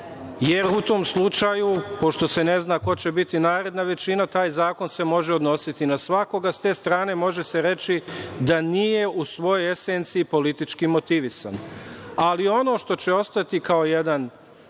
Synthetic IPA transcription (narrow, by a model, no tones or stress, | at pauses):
je̞ɾut̪o̞ːmslˠut͡ʃajupo̞ʃt̪o̞se̞ne̞znaːko̞t͡ɕe̞bit̪inaːɾe̞d̪naʋe̞t͡ʃinat̪aːjzaːko̞nse̞mo̞ʒeo̞d̪no̞sit̪inasʋako̞ɡast̪e̞ːst̪ɾaːne̞mo̞ʒe̞seɾe̞t͡ʃid̪anije̞ʔusʋo̞jo̞jeseːnt̪siːpo̞lit̪it͡ʃkimo̞t̪iʋisa̰nalio̞no̞ːʃt̪o̞t͡ɕe̞o̞st̪at̪ikao̞jed̪an